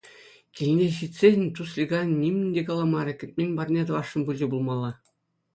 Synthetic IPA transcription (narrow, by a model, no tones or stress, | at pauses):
kʲilʲnʲeɕitʲsʲeɘ̆nʲt̪uslʲiɡɑnnʲimʲnʲɘ̆nʲdʲekɑlˠɑmɑɾʲɘ̆kʲɘ̆t̚ʲmʲenʲbɑrʲnʲet̪ɤ̆ʋɑʂːɤ̆nbulʲd͡ʑʲibulˠmɑlˠːɑ